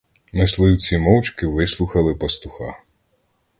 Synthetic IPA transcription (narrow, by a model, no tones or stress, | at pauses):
nɐslˠɪjuwt͡sʲimɔwt͡ʃkɪʋɪslˠuxɐlˠɪpɐst̪ʊxɑ̰